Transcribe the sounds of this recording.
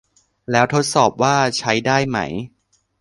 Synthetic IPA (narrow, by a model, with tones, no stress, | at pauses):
lɛː˦˥wt̪ʰo˦˥t̪̚sɔː˨˩p̚waː˥˩t͡ɕʰa˦˥jdaː˥˩jma̰˦˥j